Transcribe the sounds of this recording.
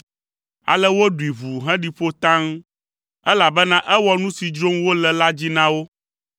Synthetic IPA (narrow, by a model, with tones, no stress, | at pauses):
a̰˨lɛ˦wo˦ɖu˨i˨vu˨ɦɛ̃˦ɖi˨ɸo˦t̪ã˦ŋ˦ | ɛ˦la˨bɛ˦nã˦ʔɛ˦wɔ˦nũ˦si˨d͡ʒɾo˦mwo˦lɛ˨la˦d͡ʑi˦nã˦wo˦